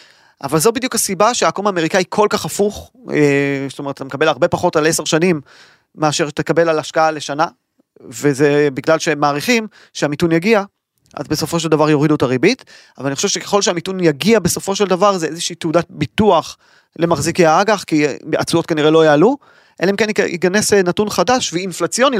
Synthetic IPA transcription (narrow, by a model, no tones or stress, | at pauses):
ʔa̰valzo̞bid̪jukasibaʃeakomaːme̞ʁikaikʰo̞lkaχafuχest̪ometat̪amekabe̞laʁbe̞paχo̞taleseʁʃanimː | eaʃe̞ʁʃet̪akabe̞lalaʃkaale̞ʃana | vezebiɡlalʃemaːʁiχim | ʃeamitunjaɡia | ʔa̰zbe̞so̞fo̞ʃ̬eldavaʁjo̞ʁidutaʁibit | avalaniχoʃeʃe̞ke̥χo̞lʃeamitunjaɡiabe̞so̞fo̞ʃeldavaʁzeezeʃiːteudat̚bituaχ | le̞maχzikeaaɡaχkia̰t͡sujo̞t̚kaniʁelo̞jaːlu | ʔelaimkenḭɡanesenatunχadaʃveinflat͡sjo̞ni